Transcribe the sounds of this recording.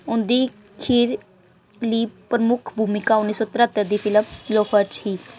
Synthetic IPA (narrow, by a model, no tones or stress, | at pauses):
ʊnd̪iː | kʰiːɾ | liːpɾəmʊkʰbʱuːmɪkaːʊnːiːsɔːt̪ɾət̪əɾd̪iːpʰɪləmloːkʰət͡ʃhiː